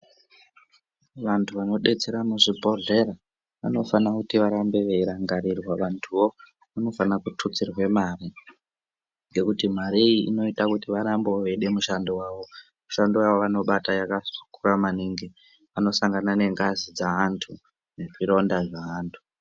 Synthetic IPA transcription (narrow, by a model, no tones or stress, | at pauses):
ʋantʰuʋano̞ɗe̞t͡se̞ɾamuʐibʱo̞ɮe̞ɾa | ʋano̞fanakutiʋaɾambe̞ʋeiɾaŋɡaɾirwaʋantʰuwo̞ | ʋano̞fanakutʰut͡sirwe̞mari | ŋɡe̞kutim̤aɾiiḭno̞itakutiʋaɾamboʋeɗe̞muʃandowaːʋo̞ | muʃandowaʋoʋano̞ɓatajakasu̥kuramaniŋɡi | ʋano̞saŋɡanane̞ŋɡazid͡zaantʰu | neʐiɾo̞ndaʐaaːntʰu̥